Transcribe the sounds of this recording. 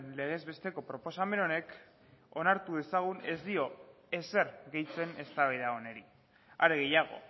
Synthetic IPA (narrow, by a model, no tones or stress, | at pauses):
nle̞ɣ̞e̞zβe̞st̪e̞ko̞pɾo̞po̞same̞no̞ne̞k | o̞naɾt̪uð̞e̞saɣ̞une̞zd̪io̞ | e̞se̞ɾɣe̞jt͡se̞ne̞st̪aβaiðao̞ne̞ɾi | aɾe̞ɣ̞ejaɣ̞o̞̰